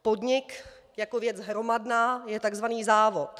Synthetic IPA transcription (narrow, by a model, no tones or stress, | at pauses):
po̞dɲɪk | jako̞vjɛt͡sɦɾomadnaːjɛt̪aɡzvaniːzaːvo̞t̪